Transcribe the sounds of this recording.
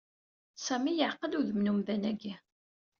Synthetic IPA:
sæmijʕqəluðəmnumðænæɡi

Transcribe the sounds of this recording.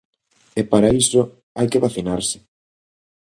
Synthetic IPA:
epaɾaisʊ | ajkeβaθinaɾsɪ̥

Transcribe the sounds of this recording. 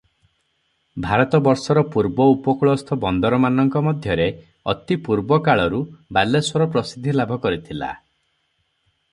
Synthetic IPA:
bʱaɾɔt̪ɔbɔɾsɔɾɔpuɾbɔupɔkɭɔst̪ʰɔbɔnd̪ɔɾɔmanɔŋkɔmɔd̪ʱjɔɾe | ɔ̰t̪ipuɾbɔkaɭɔɾubalːeswɔɾɔpɾɔsid̪ʱːilabʱɔkɔɾit̪ʰila̰

